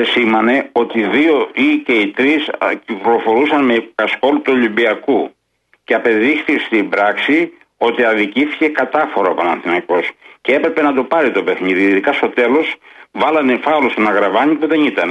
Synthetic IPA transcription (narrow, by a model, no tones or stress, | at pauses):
simɐne̞o̞t̪iðio̞ice̞it̪ɾiscikɾlo̞fo̞ɾusɐnmekɐsko̞lut̪uo̞limbiɐku | ceɐpe̞ðixθist̪imbɾɐksi | o̞t̪iɐðiciθi̥ce̞kɐt̪ɐfo̞ɾɐopɐnɐnθinɐko̞sceepɾepe̞nɐt̪o̞pɐɾit̪o̞pe̞xniðiːðikɐst̪o̞t̪e̞lo̞svɐlɐnefɐlost̪onɐɣɾɐvɐɲipuðe̞nit̪ɐn